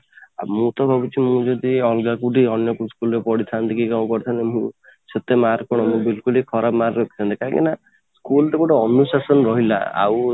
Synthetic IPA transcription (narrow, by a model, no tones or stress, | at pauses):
a̰mũt̪ɔbʱɔbut͡ʃʰimũd͡ʒɔd̪iɔlɡakuɖiɔnjɔkuskulɔɾepɔɽit̪ʰant̪ikikamkɔɾt̪ʰanemũ | set̪emaɾkɔɽ̃ɔmũbilkulikʰɔɾʔapmaɾkɔt̪ʰit̪ʰant̪i̥kaɾɔ̃ŋkḛna | skulʈekuʈaɔnusasɔnɔɾɔɦila̰a̰w